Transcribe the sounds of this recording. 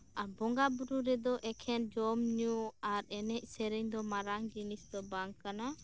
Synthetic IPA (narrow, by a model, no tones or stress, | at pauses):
abɔŋɡabuɾuɾɛd̪ɔʔɛkʰɛnd͡ʒɔmɲuaɾɛnɛc̚sɛɾɛɲd̪ɔmaɾaŋd͡ʒinisd̪ɔbaŋkana